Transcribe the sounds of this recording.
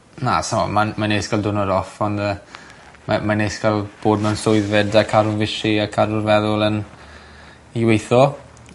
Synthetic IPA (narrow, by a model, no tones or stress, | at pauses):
na̰samɔ̰mamaneskalˠdʊnɔɾɔfɔnə | mamaneskalˠb̥oːdmɛwnsʊɨðɛdakʰaɾʊnvɪʃiakʰaɾʊrvɛðʊlˠən | iwejθɔ